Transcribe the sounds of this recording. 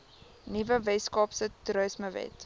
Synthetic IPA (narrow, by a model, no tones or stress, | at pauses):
nivəvɛskɑːpsətrəsməvɛ̰t